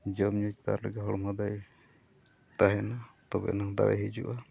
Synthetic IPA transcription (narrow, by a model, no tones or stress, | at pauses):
d͡ʒɔmɲut͡ʃt̪a̰ɾlaɡɛɦɔɽɔmɦad̪aj | t̪aɦɛnat̪ɔbɛ̰naŋd̪a̰wɛ̰ɦid͡ʒṵʔa